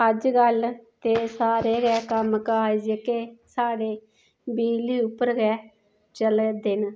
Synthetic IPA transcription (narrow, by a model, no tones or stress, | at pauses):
əd͡ʒɡəlt̪eːsaːɾeːɡɛːkəmkaːid͡ʒkeːsaːɽeː | biːliːʊpːəɾɡɛː | t͡ʃəld̪ɪn